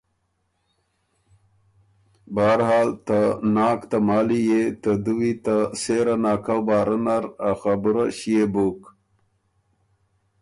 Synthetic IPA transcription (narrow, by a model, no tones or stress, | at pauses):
baːɾɦɑːlt̪anɑːkt̪amɑːlijet̪əd̪uwit̪aseɾanaːkawbaːɾənaɾaxabuɾaɕijebuk